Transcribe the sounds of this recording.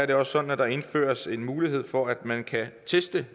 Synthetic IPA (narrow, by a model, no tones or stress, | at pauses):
æɐɾe̝ɒ̽ssːɒ̽d̥n̩æd̥ɑ̈e̝nfø̰ːɐse̝nmuːliɦe̝ð̞̰ˠfɒ̽æd̥mænkʰæt͡sʰesd̥ə